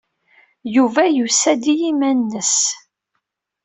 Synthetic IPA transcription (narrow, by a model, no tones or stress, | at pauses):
juvæjusæd̪ijimænːəs